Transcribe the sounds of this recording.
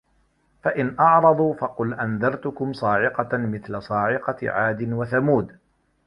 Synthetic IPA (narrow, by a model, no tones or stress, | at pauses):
faʔɪnʔɑʕɾˤɑd̪ˤuːfɑqʊlʔanðɑɾˤt̪ʊkʊmsˤɑːʕɪqɑmɪθlasˤɑːʕɪqɑ̰ʕaːd̪ɪnwaθamuːd̪